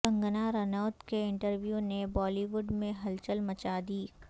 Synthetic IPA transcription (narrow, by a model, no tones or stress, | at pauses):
ə̃ŋɡənaɾɐnɔːt̪keɪ̃ɳʈəɾʋjuːnebɔːliʋʊɖmẽɦɐlt͡ʃəlmɐt͡ʃad̪iː